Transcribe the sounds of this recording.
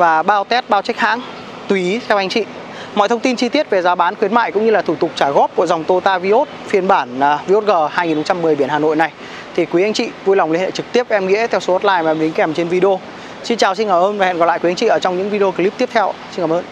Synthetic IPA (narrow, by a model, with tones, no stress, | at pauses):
vaː˨˩ɓaː˧wt̪ɛ˦˥t̚ɓaː˧wt͡ɕk̚ha̰ː˧˥ŋ | t̪u˨i˨˦t̪ʰɛ˧wʔa˧jŋt͡ɕḭ˧˨ | mɔ̰˧˨jt̪ʰə˧wŋ͡mt̪i˧nt͡ɕi˧t̪i˦˥ət̚ve˨˩zaː˨˦ɓaː˨˦nxwi˨˦ənma̰ː˧˨jkʊ̰˧˥ŋ͡mɲɨ˧laː˨˩t̪ʰu˧˩t̪ʊ˨˩k͡p̚t͡ɕaː˧˩ɣɔ˦˥p̚kṵ˧˨za˨˩wŋ͡mt̪o˧t̪aː˧vi˧ʔo˦˥t̚fi˨˧˩ənɓaː˧˩n˨˩vi˧ʔo˦˥t̚ɣəː˨˩haː˧jŋi˨nhə˧ŋ͡mt͡ɕa˧mːɨ˨˩əjɓi˧˩ənhaː˨˩no̰˧˨jna˨˩j | t̪ʰi˨˩kwi˨˦a˧jŋ̟t͡ɕḭ˧˨vu˧jlwŋ͡mli˧hḛ˧˨jt͡ɕɨ˨˩k̚t̪i˦˥ə˨˧mŋḭ˧˥ət̪ʰɛ˧wso˨˦ɔ˦˥t̚laː˧jma˨˧mɗi˨˦ŋ̟kɛ˨˩mt͡ɕe˧nvi˧ɗo˧ | si˧nt͡ɕaː˨˩wsi˧nkaː˧˩mʔəː˧nvaː˨˩ɛ̰˧˨nɣla̰˧˨kwa˧ŋt͡ɕḭ˧˨ʔəː˧˩t͡ɕɔ˧wŋ͡mɲɨ̰˧˥ŋvi˧ɗo˧kːli˦˥p̚t̪i˦˥ət̪ʰɛ˧wsnkaː˧˩ʔəː˧n